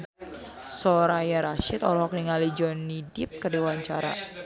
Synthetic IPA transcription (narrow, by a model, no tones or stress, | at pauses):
sɔɾajaɾaʃɪt̪ɔ̰lɔɦɔkniŋalid͡ʒɔnidɪp̚kərdiwaɲt͡ʃaɾa̰